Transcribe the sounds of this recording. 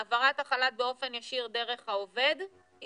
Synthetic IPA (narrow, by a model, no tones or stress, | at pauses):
avaʁat̪aχalat̚beo̞fe̞njaʃiʁd̪e̞ʁe̞χhaove̞d̪